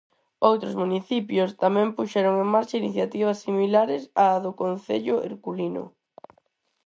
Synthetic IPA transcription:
owt̪ɾʊzmuniθipjʊst̪amɛ̃mpuʃɛɾoŋeŋmaɾt͡ʃɐiniθjat̪iβ̞ɐsːimilaɾɪsaðʊkon̟θḛʎʊʔḛɾkulinʊ̰

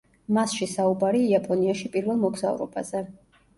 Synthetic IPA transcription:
masʃisaubaɾiːapʼɔniaʃipʼiɾvɛlˠmɔɡz̥aṵɾɔ̰bazɛ

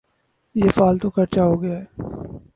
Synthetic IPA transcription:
jefaːlt̪okʰɐɾt͡ʃaɦoːɡɐjaɛː

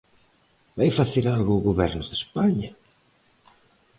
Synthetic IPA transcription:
bajfaθeɾalɣoːɣoβɛɾnʊðespaɲɐ

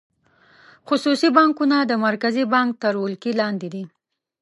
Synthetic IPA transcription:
xʊsusibɑŋkunad̪əmaɾkazibɑŋk̚t̪əɾwulkilɑnd̪ɪd̪i

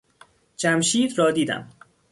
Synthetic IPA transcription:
d͡ʒæmʃiːd̪ɾɒːd̪iːd̪æ̰m

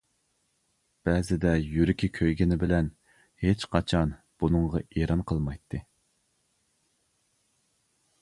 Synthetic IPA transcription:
b̥ɛzɪd̪ɛjyɾɪkʲʰikʲʰøjɡʲɪnɪbɪlɛn | het͡ʃqʰɑt͡ʃʰɑn | b̥unɨŋʁɑeɾɑnqʰəlˠmɑjt̪ʰːɨ

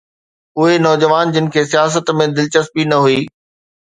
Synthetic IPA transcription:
ʊɦenɔːd͡ʑəʋaːnd͡ʑɪnɪ̆kʰeːsijaːs̬ət̪mẽd̪ɪlt͡ɕəspinɐɦuiː

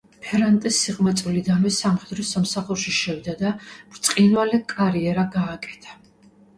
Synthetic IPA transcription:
pʰɛɾant̪ʼisːiqʼmɛt̪sʼlid̪anwɛsamχɛd̪ɾɔsamsaχuɾʃiʃɛvd̪ad̪amɾt̪sʼqʼinwalɛkʼaɾiɛɾaɡaːkʼɛ̥t̪ʰḁ

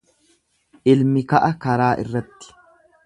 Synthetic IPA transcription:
ʔɪlmɪkɐʔɐkɐɾaːʔɪ̰rːɐt̪ːɪ̥

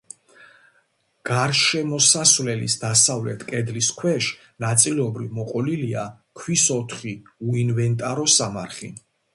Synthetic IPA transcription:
ɡ̥aɾʃɛmɔsasvlɛlḭsd̪asavlɛt̪ʰkʼɛd̪liskʰwɛʃ | nat̪sʼilɔbɾivmɔqʼɔlilia | kʰwisɔt̪ʰχiuinvɛnt̪ʼaɾɔsamaɾχḭ

